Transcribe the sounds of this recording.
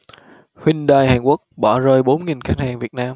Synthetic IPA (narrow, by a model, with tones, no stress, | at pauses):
hwi˧ŋ̟ɗaː˧jhaː˨˩ŋku˦˥ək̚ɓɔ˧˩zəː˧jɓo˨˦nŋi˨˩nxa˦˥ŋ̚haː˨˩ŋvi˨˩ət̚naː˧m